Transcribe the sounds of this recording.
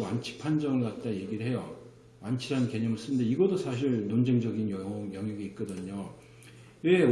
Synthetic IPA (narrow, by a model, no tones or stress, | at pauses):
want͡ɕʰi̥pʰand͡ʑʌŋɯɭɡat̚t͈aje̞ɡiɾɯɭɦe̞jo | want͡ɕʰiɾannke̞ɲʌmɯɭs͈ɯnɯnde̞iɡʌdosʰaɕ̬ʰiɭnond͡ʑeŋd͡ʑʌɡinjjʌŋjʌɡiːt̚k͈ʌdɯɲo | we̞